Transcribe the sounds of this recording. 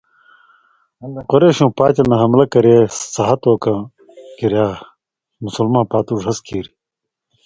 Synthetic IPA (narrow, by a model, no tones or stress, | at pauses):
ɐnd̪eqoɾeːɕũːpaːt͡ɕɐnɐɦɐmlɐkɐɾeːsɐɦɐt̪oːkɐ̃ | kiɾjaː | musulmãːpaːt̪uʐɦɐskʰiːɾi